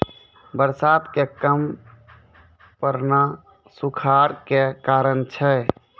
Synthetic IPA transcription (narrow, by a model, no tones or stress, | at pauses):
bəɾsat̪kekəm | pəɾna | sukʰaɾkekaɾənt͡ʃʰɛ